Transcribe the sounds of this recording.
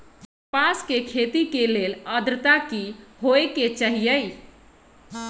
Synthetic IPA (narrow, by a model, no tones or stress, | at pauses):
paskekʰet̪ikeleləd̪ɾət̪akiɦoeket͡ʃəɦijəj